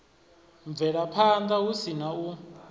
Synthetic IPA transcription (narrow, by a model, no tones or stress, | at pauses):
ɱb̪vɛɺapʰand̪ausinau